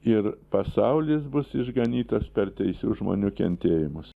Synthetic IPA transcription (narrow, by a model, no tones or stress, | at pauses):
ɪrpɐsɐʊlʲɪsbʊsɪʒɡɐnʲiːt̪ospʲɛrt̪ʲɛɪsʲuːʒmo̰ːnʲuːkʲɛ̰nʲt̪ʲeːjɪmʊs